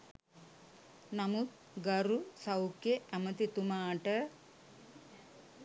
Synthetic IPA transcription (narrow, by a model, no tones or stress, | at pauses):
nɐmut̪ | ɡɐɾusɐwkjeɐmɐt̪it̪umaːʈɐ